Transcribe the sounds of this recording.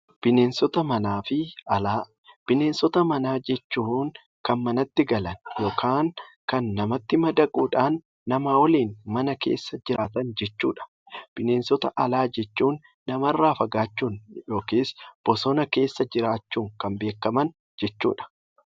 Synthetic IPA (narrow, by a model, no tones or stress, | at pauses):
b̥ɪne̞ːnsɔt̪ɐmɐnaːfɪɐlaː | b̥ɪne̞ːnsɔt̪ɐmɐnaːd͡ʒɛt͡ʃːuːŋ | kɐnmɐnɐt̪ːɪɡɐlɐnjo̞ːkʰaːŋkɐnːɐmɐt̪ːɪmɐd̪ɐkʼuːᶑaːnː | ɐmaːwɔliːnmɐnɐke̞̰ːsːɐd͡ʒɪɾaːt̪ɐnd͡ʒɛt͡ʃːuːᶑɐ̥ | b̥ɪneːnsɔt̪ɐ̰ʔɐlaːd͡ʒɛt͡ʃːuːnː | ɐmɐrːaːfɐɡaːt͡ʃːuːnjo̞ːkeːsb̥ɔsɔnɐke̞ːsːɐd͡ʒɪɾaːt͡ʃːuːŋkɐmbe̞ːkːɐmɐn | d͡ʒɛt͡ʃːṵːᶑɐ̥